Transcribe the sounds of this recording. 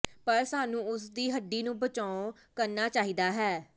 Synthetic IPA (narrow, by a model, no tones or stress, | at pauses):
pəɾsaːnũːʊsd̪iːɦəɖːiːnũːbət͡ʃaːõ | kəɾnaːt͡ʃaːɦiːd̪aːɦɛː